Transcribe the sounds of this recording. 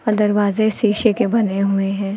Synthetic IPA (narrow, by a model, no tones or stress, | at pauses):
ɔɾd̪ɐɾʋaːzesiːʃekebɐneɦʊeɦɛ̃ː